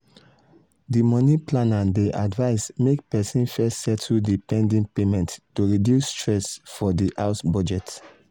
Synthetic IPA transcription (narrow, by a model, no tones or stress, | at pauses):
dimɔniplãnãdeʔadvaɪsmekpɛsĩnfɛssɛtʰudipɛ̃ndĩŋpemɛ̃ntːoɹidjusːtɹɛsfɔdiʔaʊsbɔd͡ʒɛt